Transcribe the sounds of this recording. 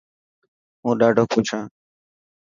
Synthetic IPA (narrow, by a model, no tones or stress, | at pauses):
ũːɗaːɖʱoːkʰũːt͡ʃʰãː